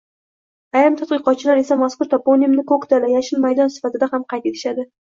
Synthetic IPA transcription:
ajɾɪmt̪ʰat̪qɨqɒt̪̚t͡ʃʰɪlaɾe̞samaskʊɾt̪ʰaponijmnɪkʰokt̪alajaʃɪnmajd̪ɒnsɪ̥fat̪ʰɪd̪ahamqʰɑjt̪e̞t̪ʰɪ̥ʃad̪ɪ

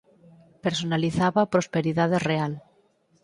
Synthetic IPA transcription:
peɾsonaliθaβapɾospeɾiðaðereal

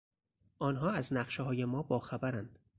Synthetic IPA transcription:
ʔɒːnɦɒːæznæqʃeɦɒːjemɒːbɒːxæbæɾænd̪̥

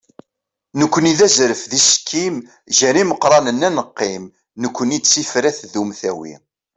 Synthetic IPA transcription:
nəkʷːəniðæzɾəfðisə̥kʰːim | ʒæɾiməqɾˤɑnənːænəqːim | nəkʷːənid̪sifɾæθðumθæwḭ

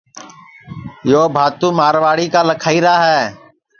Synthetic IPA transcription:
joːbʱaːt̪ũːmaːɾʋaːɽiːkaːləkʰaːiːɾaːɦɛː

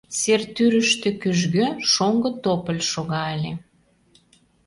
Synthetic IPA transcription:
sert̪yɾəʃt̪ĕkyʒɣøʃoŋɡə̆t̪opə̆lʲʃoɣɑəlʲe

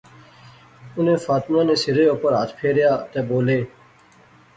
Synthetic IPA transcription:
ʊnẽːfaːt̪mãːneːsɪɾeːoːpəɾaːt̪ʰpʰeːɾjaːt̪eːboːleː

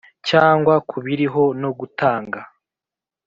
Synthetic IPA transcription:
caːŋɡwakʰuβiɾiɦo̞no̞ɡutʰaːŋɡa

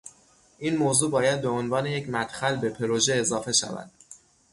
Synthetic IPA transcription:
ʔiːnmoːzuːbɒːjæd̪̚be̞onvɒːne̞je̞cʰmæt̪xælbe̞pʰe̞ɾoʒe̞ːzɒːfe̞ʃæ̰væ̰d̪̥

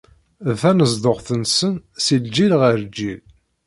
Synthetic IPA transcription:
fænəzd̪oʁθənsənsild͡ʒilʁəɾd͡ʒːið

